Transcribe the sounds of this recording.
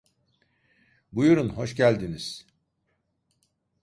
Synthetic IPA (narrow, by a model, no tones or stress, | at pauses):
bujuɾunho̞ʃcælʲd̪iniz̥